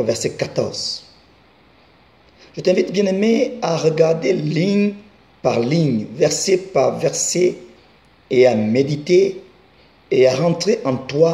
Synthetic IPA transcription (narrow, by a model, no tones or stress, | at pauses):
vɛʁsɛkat̪ɔ̰ʁz | ʒ̥ət̪ɛ̃vit̪bjɛ̃nemeaʁəɡaʁd̪eliɲ | paʁliɲvɛʁsepaʁvɛʁse | eamed̪it̪e | aʁɑ̃t̪χeʔɑ̃t̪wa